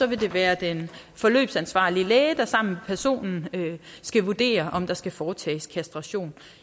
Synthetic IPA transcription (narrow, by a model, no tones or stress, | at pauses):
sɒ̽ʋe̝d̥e̝ʋæːɐd̥en | fɒ̽lø̰ːb̥sænsʋɑ̰̈ːliəlɛːəd̥ɑ̈sɑ̈m̰mepʰæɐso̝̰ːnn̩øsɡ̥æʋud̥e̝̰ːɐʔɒ̽md̥ɑ̈sɡ̥æfɒːt͡sʰɛ̰ːskʰæsd̥ʁɑ̈ɕo̝̰ːn